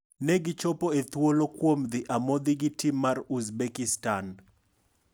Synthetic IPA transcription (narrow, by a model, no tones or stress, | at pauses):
nɛɡɪt͡ʃɔpoet̪wolokwomd̪ɪʔamod̪iɡitimːaruzbekistan